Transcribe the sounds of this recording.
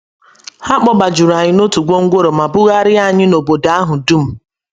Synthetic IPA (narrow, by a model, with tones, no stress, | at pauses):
ha˦k͡pɔ˦ba˨d͡ʒu˨ɾa˨ɲɪ˦no˦tu˨ɡo˦ŋ̩˦ɡʷo˦ɾo˨ma˨bʊ˦ɣa˦ɾɪ˦a˦˨ɲɪ˦no˨bo˨da˨˦a˦ɦʊ˨du˦m̩˦